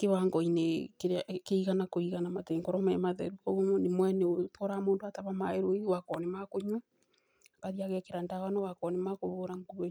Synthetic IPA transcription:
keβaŋɡɔinekeakeiɣanakoiɣanamateŋɡɔɾɔmɛmaðɛ̰ɾukɔomnemwɛnɛotɔɾamoːndoataβamaeɾoeiwakɔnemakoɲu | akaɾiaɣɛkeɾandaɣanɔwakɔnemakoβoːɾaŋkuɾe

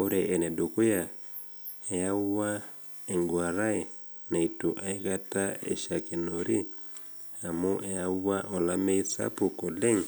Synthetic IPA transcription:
oɾeʔenedokuja | ejauwa | eŋɡwaɾae | naituʔaikataḛʃakenoɾi | hamuʔejauwaʔolameisa̰pukoleŋ

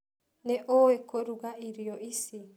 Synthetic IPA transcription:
nɛʔɔɛkɔɾuɡaʔiɾiɔisi

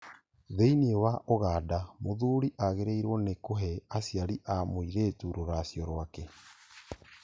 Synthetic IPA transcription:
ðeiniewaʔoɣaːdamoðuɾiʔaɣeɾeiɾwɔnekoɦɛasjaɾiʔamoiɾetuɾoɾasjɔɾwakɛ

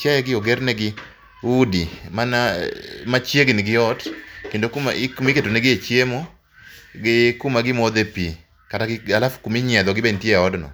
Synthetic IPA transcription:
t͡ʃajɛɡɪɔɡɛɾnɛɡɪ | udimanamat͡ʃjeɡnɪɡɪɔtkendokuma̰kumiketoneɡɪet͡ʃjemo | ɡɪkumaɡɪmɔd̪epi | kataɡɪalafkumiɲɛd̪ɔɡɪbentjeɔdnɔ̰

